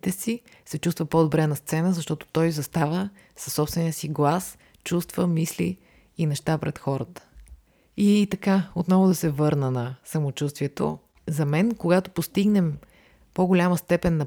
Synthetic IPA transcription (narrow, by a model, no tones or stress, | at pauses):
t̪ɛsi | sɛt͡ʃust̪vəpod̪obɾɛnɐst̪sɛnəzɐʃt̪ɔt̪o̥t̪ɔjzɐst̪avə | sɐ̥sːɔpst̪vɛnijəsiɡlˠas | t͡ʃust̪vəmislḭː | nɛʃt̪apɾɛt̪xɔɾət̪ə̥ | it̪ɐkaot̪nɔvʊd̪ɐsɛvɤɾnənɐsɐmot͡ʃust̪viɛt̪o̰ | zɐmɛnkoɡat̪opost̪iɡnɛm | poɡolʲaməst̪ɛpɛnːɐ